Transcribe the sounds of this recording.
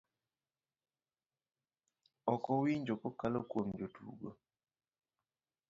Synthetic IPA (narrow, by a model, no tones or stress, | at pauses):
ɔkɔwiɲd͡ʒokɔkalokwomd͡ʒotṵɡo̰